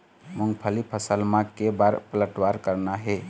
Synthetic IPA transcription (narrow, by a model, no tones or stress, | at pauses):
muŋɡpʰəlipʰəsəlmãkebaɾpələʈwaɾkəɾnaɦe